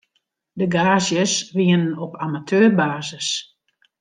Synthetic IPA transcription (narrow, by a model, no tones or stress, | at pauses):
dəɡaːzjəsʋiənənɔpʰamatʰøːrbaːzəs